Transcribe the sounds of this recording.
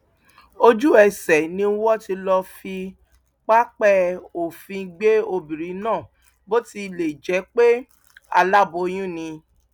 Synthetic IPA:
o˦˧d͡ʒu˦ɛ˨sɛ˨nĩ˧˦wɔ˦ti˧lɔ˧fi˧ | k͡pa˦k͡pɛ˦o˨fĩ˧ɡ͡be˦o˧bi˨ɾi˨˦nãː˦˨ | bo˦ti˧le˨d͡ʒɛ˨˦k͡pe˦ | a̰˧la˦bo˧j̃ĩ˦nĩ˧

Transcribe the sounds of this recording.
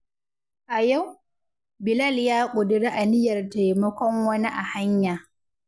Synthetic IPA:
ʔa˨ja˦˨w | bɪ˨lɐ˦˨ljaː˦kʷʼʊ˨dɪ˨ɽe˦ʔa˨nɪ˦jɐ˨rta˨jmɐ˦kʷɔ˦ŋwɐ˦ni˦ʔa˨ha˦ɲjaː˨

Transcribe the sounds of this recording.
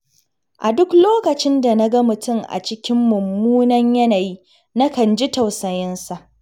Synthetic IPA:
ʔa˨dʊ˦kloː˦kɐ˨t͡ʃɪ˦nda˨nɐ˦ɡɐ˦mʊ˨tʊ˦ŋʔa̰˨t͡ʃɪ˦kʲɪ˦mːʊ˨mːuː˦nɐ˦ɲjɐ˦na˨ji˦ | nɐ˦kɐ˨nd͡ʒi˦tɐ˨wsɐ˨jɪ˦nsa˨ʔ

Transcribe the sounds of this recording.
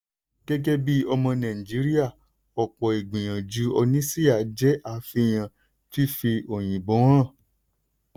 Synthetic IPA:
ɡ̥ɛ˦d͡ʒɛ˦bi˦ɔ˧mɔ̃˧nã˨ĩ˨d͡ʒi˨˦ɾi˦a˦˨ | ɔ˨k͡pɔ˨i˨ɡ͡bĩ˨j̃ã˨d͡ʒu˨˦ɔ˧nĩ˦si˦a˦˨d͡ʒɛ˨˦ʔa˦˨fi˧˨j̃ã˨ | ti˦fi˧o˨j̃ĩ˨bo˨˦wã˦˨

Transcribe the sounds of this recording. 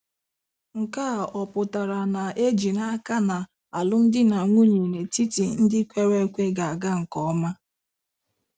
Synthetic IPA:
ŋ̩˨ka˦˨ɔ˨pʊ˨ta˨ɾa˨na˨ʔe˦d͡ʒi˨na˦ka˦na˨ | a˨lʊ˦n̩˦dɪ˦na˨ŋʷu˦ɲe˨ne˨ti˦ti˨n̩˦dɪ˦kʷe˦ɾe˦kʷe˦ɡa˨a˨ɡa˦ŋ̩˨kɔ˦ma˦

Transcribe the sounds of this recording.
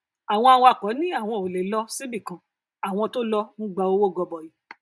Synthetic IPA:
a˨w̃ɔ̃˧a˧w̃ɔ̃˧a˨kɔ˨˦nĩ˦a˦˨w̃ɔ̃˧o˨le˨˦lɔ˧si˦bi˦˨kã˨ | a˨w̃ɔ̃˧to˦lɔ˧nũ˦ɡ͡ba˧o˧˦wo˦˨ɡɔ˨˧bɔ˨ji˨˦

